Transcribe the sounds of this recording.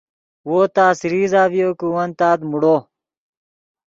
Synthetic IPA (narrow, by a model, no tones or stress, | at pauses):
woːt̪aːsɾiːzaːʋijoːkuwɐnt̪aːd̪muɽoː